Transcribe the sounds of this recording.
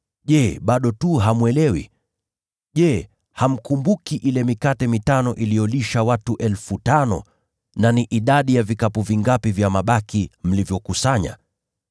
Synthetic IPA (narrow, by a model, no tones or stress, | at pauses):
ʄɛɓaɗɔtuɦamwɛlɛwḭ | ʄɛ | ham̩kumbukiʔilɛmikatɛmitanɔʔilijɔliʃawatuʔɛlfutanɔ̰ | naniʔiɗaɗijavikapuviŋɡapivjamaɓakim̩livjɔkusaɲa̰